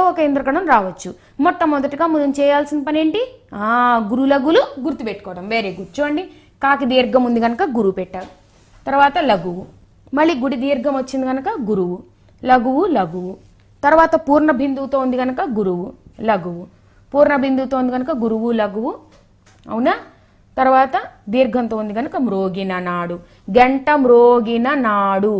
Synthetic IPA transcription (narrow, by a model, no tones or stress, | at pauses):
ɔkɐind̪ɾɐkɐɽɐmɾaːʋɐt͡ʃːu | mɔt̪ːɐmːɔd̪ɐʈiɡaːmund̪mt͡ʃɛːjaːlsinipɐne̞ːɳʈiaːɡuɾulɐɡuluɡuɾt̪upeʈːu̥kɔːɐʈɐmʋe̞ːɾeːɡuɾt͡ʃuɐɳɖi | kaːkid̪iːɾɡɐmund̪iɡɐnukɐɡuɾuʋpɛʈːɐu | t̪ɐɾuʋaːt̪ɐlɐɡuʋu | mɐɭːiɡuɽid̪iːɾɡɐmʋɐt͡ʃːind̪iɡɐnukɐɡuɾuʋu | lɐɡuʋulɐɡuʋu | t̪ɐɾuʋaːt̪ɐpuːɾɳɐbʱind̪ut̪oːund̪iɡɐnukɐɡuɾuʋulɐɡuʋu | puːɾɳɐbʱind̪ut̪oːund̪iɡɐnukɐɡuɾuʋulɐɡuʋu | ɐ̰ʋunaː | t̪ɐɾuʋaːt̪ɐd̪iːɾɡʱɐnt̪oːund̪iɡɐnukɐmɾoːɡinɐnaːɽu | ɡeɳʈɐmɾoːɡinɐnaːɽu